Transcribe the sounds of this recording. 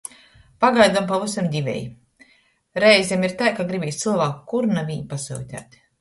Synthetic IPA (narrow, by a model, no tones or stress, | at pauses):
paɡajd̪ampavusamd̪ʲivʲɛ̰j | ɾɛjzʲemiɾt̪ajkaɡɾibʲiːst̪sɨlˠvaːkukuɾnaviɲpasṵːt̪ʲa̰ːt̪ʲ